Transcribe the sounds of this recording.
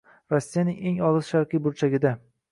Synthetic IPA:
ɾosːijanɪŋe̞ŋɒlˠɨz̥ʃaɾqɨjbʊɾt͡ʃʰaɡʲɪd̪a

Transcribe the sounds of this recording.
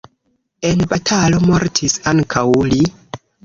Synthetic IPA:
e̞nbatʰalo̞mo̞ɾtʰisaŋkʰawli

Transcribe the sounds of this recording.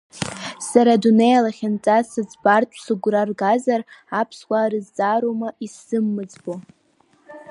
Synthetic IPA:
saɾadunejalaχʲant͡sʼasad͡zbartʼʰsɨɡʷrarɡazarapʰskʷʼaːɾɨzd͡zʼaɾomaʔisɨmːɨd͡zbo

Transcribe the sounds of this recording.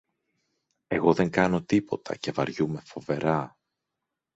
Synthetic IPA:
e̞ɣo̞ðe̞ŋkɐno̞t̪ipo̞t̪ʰɐ̰ce̞vɐɾʝume̞fo̞ve̞ɾɐ

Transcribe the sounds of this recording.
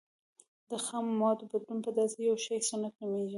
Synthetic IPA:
d̪əxamːɑd̪bad̪lunpəd̪ɑsejawʃejsanaknameʒi

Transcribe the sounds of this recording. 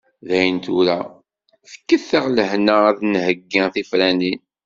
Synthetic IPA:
ðæjənt̪uɾæ | θə̥kːəθːəʁləɦnəæðnhəɡːɪθifɾænin

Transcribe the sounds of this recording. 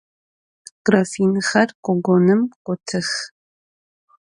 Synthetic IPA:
ɡ̥rafinxɐrqʷʼɔɡʷɔnɨmkʷʼɔtʰɨx

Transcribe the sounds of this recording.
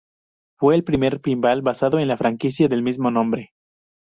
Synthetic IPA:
fwe̞ːlpɾime̞ɾpimbalβasaðo̞enlafɾaŋkisjaðe̞lmizmo̞nõ̞mbɾe̞

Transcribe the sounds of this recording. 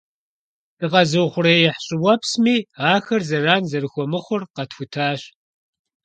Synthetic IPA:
d̥ɨqɐzɨwχʷʊrɐjɛħɕʼɪwɐpsmiːaːxɐrzɐraːnzɐrɨxʷɔmɨχʷʊrqɐtxʷʊtʰaːɕ

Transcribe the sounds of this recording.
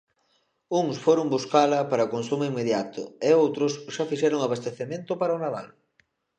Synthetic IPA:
uŋsfoɾʊŋbuskalɐpaɾɐkonsumoiŋmeðjat̪ʊ̰eowt̪ɾʊsʃafiʃɛɾʊŋaβ̞ast̪eθemẽnt̪ʊpaɾɐonaða̰l

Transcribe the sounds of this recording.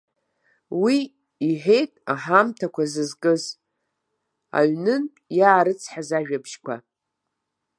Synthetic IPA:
wi | iħe̞jtʼaħamtʰakʷʰazɨzkʼɨz | a̰ɥnɨnʼ | jaːɾɨt͡sʰħazaʒᶣabʃkʷʰa̰

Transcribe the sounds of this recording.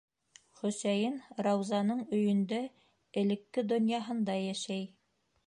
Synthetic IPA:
χɵ̆sæjɘnɾɑwzɑnɤɴɵ̆jɵ̆nd̪æ | ɘ̆lɘ̆kːɘd̪ŏnjɑɦɤ̆nd̪ɑjæʃæj

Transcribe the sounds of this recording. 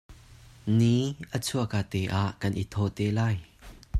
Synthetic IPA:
niːʔət͡sʰuɐkaːt̪ɛʔaːʔkɐnʔit̪ʰɔːt̪ɛːlaːj

